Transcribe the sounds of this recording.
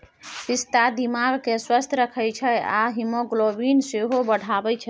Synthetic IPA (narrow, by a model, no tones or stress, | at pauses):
pist̪ad̪imaɡkeswəst̪ʰɾəkʰəjt͡ʃʰɛa̰ɦimoɡlobinseɦobəɽ̤ʱabɛt͡ʃʰɛ